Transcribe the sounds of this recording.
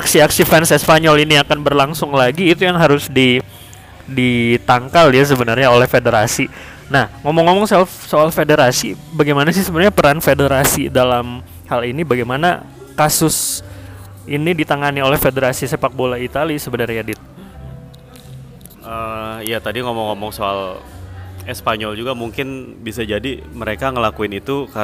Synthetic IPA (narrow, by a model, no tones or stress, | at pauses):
aksiaksifɛnsɛspaɲɔliniakanbərlaŋsʊŋlaɡiːt̪ujaŋɦaɾʊsdi | dit̪aŋkaljas̬əbənarɲaolɛhfedeɾasi | nahŋomɔŋːomɔŋsɛfsoalfedeɾasibaɡajmanas̬ɪhsəbənarɲapəɾanfedeɾasḭdalam | halinibaɡajmana̰ | kasʊs | inidit̪aŋaniolɛhfedəɾasisepak̚bolait̪alisəbənarɲadɪt̪̚ | ʔəijat̪adiŋomɔŋɔmɔŋsoa̰l | ɛspaɲɔld͡ʒuɡamuŋkɪnbisad͡ʒadiməɾekaŋəlakuɪnit̪uka